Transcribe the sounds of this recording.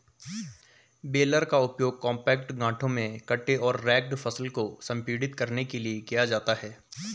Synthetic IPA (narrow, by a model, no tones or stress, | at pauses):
beːləɾkaʊpjoːɡ̚kɔ̃ːmpɛːkʈɡãːʈʰõmẽkɐʈːeɔːɾːɛːk̚ʈfʰɐsəlkosɐ̃mpiːɖɪt̪kɐɾnekeliekijad͡ʒaːt̪aɦɛː